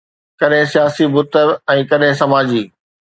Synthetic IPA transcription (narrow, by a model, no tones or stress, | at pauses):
kɐɗɦɪ̃sijaːsibʊt̪əɾɛ̃ːkɐɗɦɪ̃sɐmaːd͡ʑiː